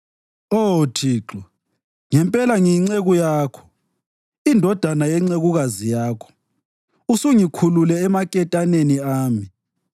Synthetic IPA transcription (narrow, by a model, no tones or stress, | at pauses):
otʰiːǁɔ | ŋɛmpʼɛlaŋiŋ͡ǀeɣujaːkʰɔ̥ | indʱɔd̥ʱanajɛŋ͡ǀeɣuɣazijaːkʰɔ̥ | usuŋikʰululɛːmakʼɛtʼaneniaːmi